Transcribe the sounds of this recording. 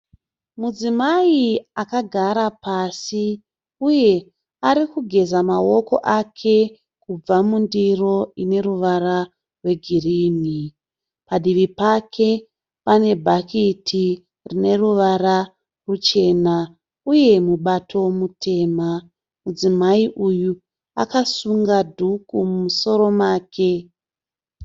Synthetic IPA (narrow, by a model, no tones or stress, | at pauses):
mud͡zimaiakaɡʱaɾapasi | uje̞ | aɾikuɡʱe̞zamawo̞ko̞̰ʔakʰe̞ | kub͡vamundiro̞ine̞ruʋara | rwe̞ɡʱiriːni | paɗiʋipakʰe̞ | pane̞bʱakitʰi | rine̞ruʋara | rut͡ʃe̞na | uje̞muɓatʰo̞mutʰe̞ːma | mud͡zimaiʔuju | a̰kasuŋɡadʱukumumuso̞ɾo̞maːkʰe̞